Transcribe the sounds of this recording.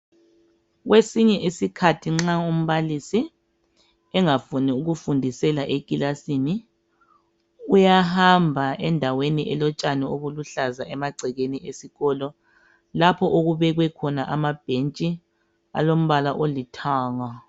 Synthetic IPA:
ɣwesiɲɛʔisikʰatʰiŋ͡ǁaum̩βalisi | ɛŋafuniuɣufundʱisɛlaʔekʼilasini | ujaɦambʱaɛndʱaweniʔɛlɔt͡ʃʼanɛoβuluɬazaʔɛmaɡ͡ǀʱɛɣeniʔesiɣɔlɔ | lapʰɔʔoɣuβɛɣwɛkʰɔnaʔamab̥ʱent͡ʃʼi | a̰lom̩βalaʔolitʰaːŋa

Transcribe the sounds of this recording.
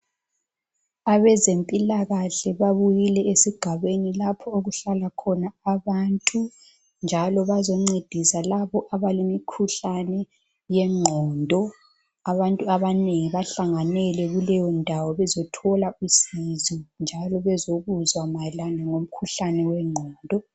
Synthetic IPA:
aβɛzempʼilaɣaɬɛβaβujilɛesiɡ̥ʱaβenilapʰɔoɣuɬalakʰɔnaːβaːntʼu | nd͡ʒʱalɔβazɔŋ͡ǀid̥ʱisalaβɔʔaβalimikʰuɬanɛ | jɛŋ͡ǀʱɔːndʱɔ | aβantʼuaβaneŋiβaɬaŋanɛlɛɣulɛjɔndʱawɔβɛzɔtʰɔlausizind͡ʒʱalɔβɛzoɣuzwamajɛlanaŋom̩kʰuɬanɛwɛŋ͡ǀʱɔːndʱɔ

